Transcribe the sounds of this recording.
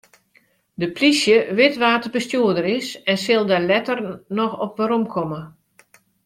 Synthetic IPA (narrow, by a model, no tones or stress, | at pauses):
dəpʰlisjəʋɪtʋaːtəbəstjuədəɾɪsɛnsɪlˠdalɛtərnɔxɔp̚ʋaɾɔmkʰɔmə